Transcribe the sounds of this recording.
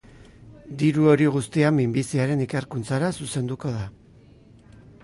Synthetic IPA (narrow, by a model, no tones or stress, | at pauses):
d̪iɾuo̞ɾiɣust̪iamimbisiaɾe̞nikeɾkunt͡saɾasuse̞nd̪uko̞ð̞a